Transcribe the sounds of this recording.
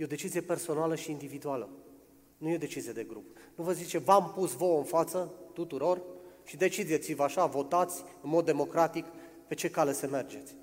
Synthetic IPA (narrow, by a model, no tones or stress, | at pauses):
jeo̞d̪e̞t͡ʃizijepe̞rso̞naləʃiːnd̪ivid̪ualə | nujeod̪e̞t͡ʃizije̞d̪e̞ɡɾupnuvəzit͡ʃevampusvo̞ɨnfat̪sət̪ut̪uɾo̞rʃid̪e̞t͡ʃid̪et̪sivəaʃavo̞t̪at̪sʲɨnmo̞d̪ːe̞mo̞kɾat̪ik | pe̞t͡ʃe̞kale̞seme̞rd͡ʒe̞t̪sʲ